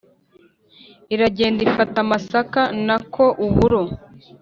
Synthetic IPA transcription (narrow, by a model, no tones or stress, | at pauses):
iɾaɟe̞ːndifatamasakanakʰo̞ʔuβuɾo